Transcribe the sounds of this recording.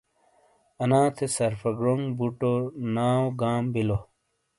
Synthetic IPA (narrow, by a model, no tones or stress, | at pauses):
ɐnãːt̪ʰesɐɾfɐɡɾoŋbuʈonaːoɡaːmbilo